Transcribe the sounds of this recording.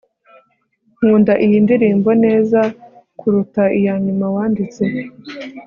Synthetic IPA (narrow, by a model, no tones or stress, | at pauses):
ŋ̥uːndaʔijindiɾiːmbo̞ne̞ːzakuɾutaijanimawaːndit͡se̞